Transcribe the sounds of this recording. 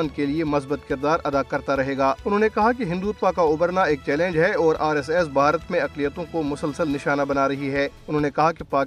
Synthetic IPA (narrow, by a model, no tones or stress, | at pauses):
nd̪keliemɐsbət̪kɪɾd̪aːɾɐd̪akɐɾt̪aɾɐɦeːɡaːʊnɦõːnekɐɦakeɦɪ̃nd̪uːt̪̚pakaʊbəɾnaeːk̚t͡ʃɛːlɛ̃ːnd͡ʒɦɛɔːɾʔaːɾɛːs̬ɛːs̬bʱaːɾət̪mẽɐqlijət̪õkomʊsəlsəlnɪʃaːnabɐnaːɾɐɦiɦɛːʊn̤ɦõːnekɐɦakepaːk